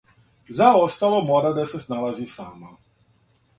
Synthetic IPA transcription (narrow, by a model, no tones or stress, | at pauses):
zaɔst̪alɔmɔd̪ad̪ɛsɛznalaʒiːsaːma